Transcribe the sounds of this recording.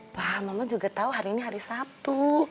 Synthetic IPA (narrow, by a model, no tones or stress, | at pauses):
pahmamaŋd͡ʒuɡat̪auɦaɾiːniɦaɾisap̚t̪u